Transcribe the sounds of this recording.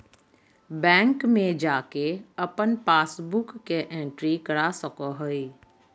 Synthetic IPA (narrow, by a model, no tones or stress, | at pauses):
bɛ̃ːŋkmẽd͡ʒaːkeəpənpaːsbʊkːeʔẽɳʈɾikəɽasəkoɦoi